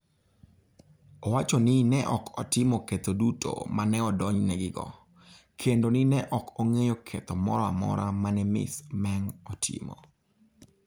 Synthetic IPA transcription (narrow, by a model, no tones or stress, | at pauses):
owat͡ʃonɪnɛʔɔkʰɔtɪmoket̪odutʰo̰manɛɔdɔɲnɛɡɪɡɔ̰ | kʰendonɪnɛʔɔkoŋejokʰet̪ɔmɔ̰ɾɔamɔ̰ɾamanɛmɪ̰smɛŋɔtʰɪ̰mo̰